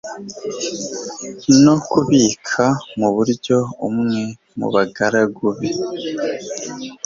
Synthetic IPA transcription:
no̞kuβiːkʰamuβuɾɟo̞umŋe̞ | mṵβaɡaɾaɡuβe

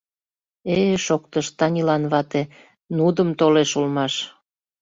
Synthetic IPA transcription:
eʃok̚t̪əʃt̪ɑnʲilɑnβɑt̪e | nud̪əmt̪oleʃulmɑʃ

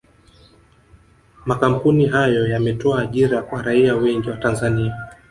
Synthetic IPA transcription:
makam̩puniɦajɔjamɛtɔaːʄiɾakwaɾaiawɛŋɡiwatanzania

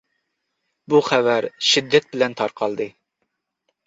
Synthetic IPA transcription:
buχævæɾʃid̪ːɛt̪̚bɪlɛnt̪ʰɑɾqʰɑlˠd̪ɨ

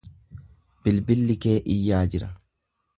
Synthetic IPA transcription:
b̥ɪlbɪlːɪke̞ːʔɪjːaːd͡ʒɪɾɐ

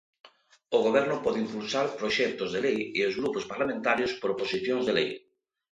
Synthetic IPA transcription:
oɣoβɛɾnʊpɔðɪimpulsaɾpɾoʃɛkt̪ʊzðelejeozɣɾupospaɾlamẽnt̪aɾjospoɾoposiθjoŋzðelḛj

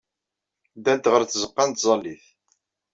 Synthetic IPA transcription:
d̪æd̪ʁəɾθzəqːɑnt̪zˤɑlːiθ

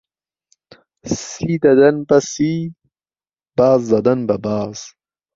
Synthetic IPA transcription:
siːd̪ɐd̪ɐnbɐsi | b̥aːzːɐd̪ɐnbɐbaːz̥

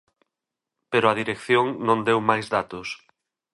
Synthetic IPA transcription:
peɾʊɐðiɾekθjoŋnõnd̪ewmajzðat̪ʊs

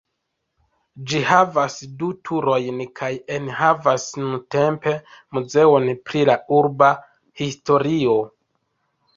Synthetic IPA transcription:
d͡ʒihavasdutʰuɾo̞jnkʰajenɦavasnunte̞mpe̞muze̞o̞npɾilauɾba | histo̞ɾio̞

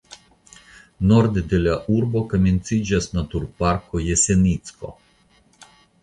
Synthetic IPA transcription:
nɔɾd̪ʲed̪ʲelʲaʔuɾbɔkamʲinʲt̪sid͡ʒʲasnat̪uɾpaɾkɔjɛsʲenʲit̪skɔ̰

